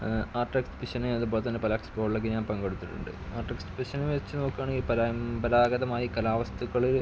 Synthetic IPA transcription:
aːrʈːekspiɕɐnɐɐðupoːɭt̪ɐnːepɐlɐkspoːɽilekːɡiɲaːnpɐŋɡe̞ɽut̪ːiʈːṵɳɖɨ̰a̰ːrʈːekspiɕɐnimʋet͡ɕːɨno̞ːkːaːɳeŋɡilpɐɾapɐɾaːɡɐðɐmaːjikɐlaːʋɐst̪uɣɐɭiɾ

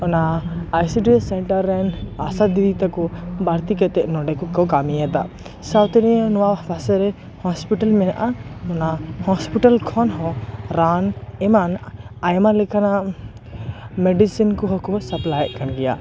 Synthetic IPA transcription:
ɔnaːjsiʈisɛɳʈaɾːɛnasad̪idit̪akɔbaɾt̪ikɛt̪ɛʔnɔɖɛkɔkɔkamijat̪a | sawt̪ɛɾinɔwabʰasɛɾɛ | hɔspiʈalmɛnaʔaɔnahɔspiʈalkʰɔnɦɔɾanɛmanajmalɛkʰana | mɛɖisinkɔɦɔkɔsaplajʔkanɡɛja̰

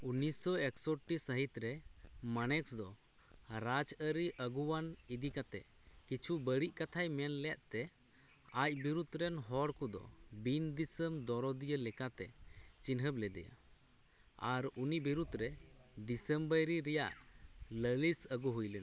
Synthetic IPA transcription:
unisɔɛksɔʈːisəɦit̪ɾɛmanɛksd̪ɔ | ɾad͡ʒəɾiʔəɡuwanid̪ikat̪ɛ | kit͡ʃʰubəɽiʔkat̪ʰajmɛnlɛaʔt̪ɛ | ac̚biɾud̪ɾɛnɦɔɽkud̪ɔ̰bind̪isəmd̪ɔɾɔd̪ijəlɛkat̪ɛt͡ʃinɦəblɛd̪ɛ̰jə̰ | aɾunibiɾud̪ɾɛd̪isəmbəɾiɾɛjaʔləlisəɡuɦujlɛna

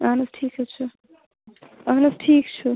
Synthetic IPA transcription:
aːnɨsʈʰiːkɛt͡ʃʰu | aːɦnɨsʈʰiːk̚t͡ʃʰu

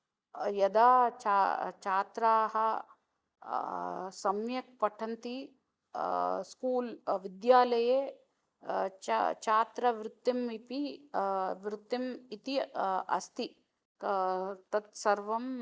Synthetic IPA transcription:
jɐd̪aːt͡ʃat͡ʃaːt̪ɾaːɦɐ | sɐmjɐk̚pɐʈʰɐnt̪i | skuːlʋid̪jaːlɐjeː | t͡ʃt͡ʃaːt̪ɾɐʋɾɪt̪ːɐmipi | ʋɾɪt̪ːɐmit̪iɐ̰st̪i | t̪ɐt̪sɐɾʋɐm

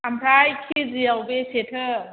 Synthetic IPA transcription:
ampʰɾajkʰiziawbesetʰɯ

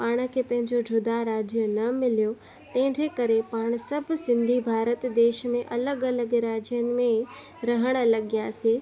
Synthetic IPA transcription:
paːɽ̃ə̆kʰepɐ̃ɦɪ̃ɲd͡ʑoɖʱʊd̪aɾaːd͡ʑjənɐmɪljo | t̪ɐ̃ɦɪ̃ɲd͡ʑekɐɾepaːɽ̃sɐbʱsɪ̃nd̪ʱibʱaːɾət̪d̪eːʃmẽʔɐləɡɐləɡɾaːd͡ʑijənɪ̆mẽ | ɾɐɦəɽ̃ə̆lɐɠijaseː

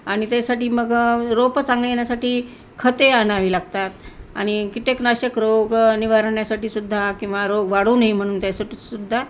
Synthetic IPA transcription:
aɽ̃it̪asaʈiːməɡɾopət͡sãŋɡlejeɳjasaʈiː | kʰət̪eanaʋiːlaɡt̪at̪a̰ɽ̃ikit̪eknaɕəkɾoɡniʋaɾɳjasaʈiːsud̪ʱːakĩw̃ʋaɾoɡʋaɽunaɦim̤əɽ̃uːnt̪jasaʈisud̪ʱːa

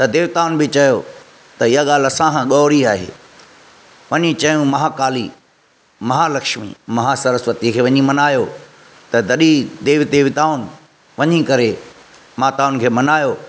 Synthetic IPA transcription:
t̪ɐd̪eːʋt̪aːʊnbɪt͡ɕɐjo | t̪ɐɪɦaɠaːlɐsãkʰãɠɔːɾiaːɦḛː | ʋɐɲĩt͡ɕɐjũmɐɦakaːli | mɐɦaːlɐkʃmḭmɐɦasɐɾəsʋət̪ikʰeːʋɐɲĩmɐnaːjo | t̪ɐd̪ɐɗid̪eːʋɪd̪eːʋɪt̪aːʊn | ʋɐɲikɐɾe | maːt̪aːʊnkʰeːmɐnaːjo

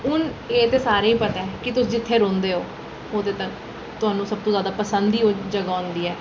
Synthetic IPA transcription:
ɦʊneːt̪eːsaːɾẽːĩːpət̪ɛːkɪt̪ʊsd͡ʒɪt̪ʰːeːɾõːnd̪eːɦoː | oːd̪eːt̪ək | t̪ʊaːnũːsəb̚t̪õːzjaːd̪aːpəsənd̪iːoːd͡ʒəɡaːʊ̃nd̪iːɛː

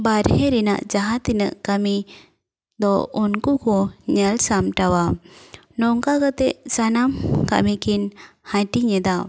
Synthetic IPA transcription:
baɾhɛɾina̰ʔd͡ʒaɦat̪inə̰ʔkami | d̪ɔunkukɔɲɛlsamʈawa | nɔŋkakət̪ɛʔsanamka̰ʔmikinhãʈiɲɛd̪a

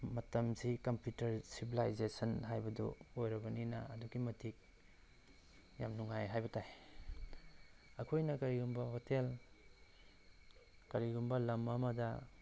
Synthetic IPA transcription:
mɐtɐmsikɐmpjutɐɾsibilajzesɐnɦajbɐdɔ̰ojɾɐbɐninɐ̰ɐduɡimɐtʰik̚ | ja̰mnuŋajɦajbɐtaj | ɐkʰojnɐkɐɾiɡumbɐhotel | kɐɾiɡumbɐlɐmamɐdɐ

